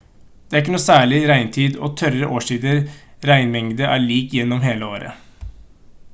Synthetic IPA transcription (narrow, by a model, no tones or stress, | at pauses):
d̪̥ɛæɾɪk̬ːnuːsæːɭɪɾæɪnt̪ʰiːd̪ɔ̰t̪ʰœɾəʔoːʂiːd̪əɾɾæɪnʋɛŋd̪əʔæ̰ːɭiːkjɛnːɔmɦeːləoːɾə̰